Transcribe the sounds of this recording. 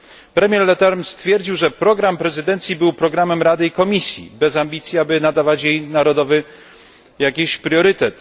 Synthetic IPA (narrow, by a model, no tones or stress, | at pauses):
pɾɛmʲjɛɾlɛt̪ɛɾmst̪fʲjɛɾd͡ʑiwʐɛpɾɔɡɾampɾɛzɘd̪ɛnt̪sʲjibɘwpɾɔɡɾamɛmɾad̪ɘikɔmʲisʲjḭbɛzamʲbʲit̪sʲjiabɘnad̪avat͡ɕjejnaɾɔd̪ɔvɘ | jakʲiɕpɾʲjɔɾɘt̪ɛt̪